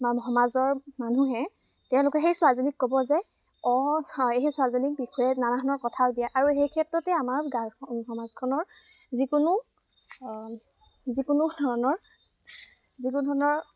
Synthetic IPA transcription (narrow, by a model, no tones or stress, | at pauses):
mamɦɔmazɔɹmanuɦɛ | tɛʊ̃lʊkɛxejsʊazonikːɔbɔzɛ | ɔeɦɛsʊazonik̚bixɔjɛnanaɦɔnɔɹkɔtʰaʊdijaʔaɹuɦejkʰɛtɹɔtɛamaɹɡaxɔmazkʰɔnɔɹzikʊnu | zikʊnudʱɔɹɔnɔɹ | zikunudʱɔɔnɔɹ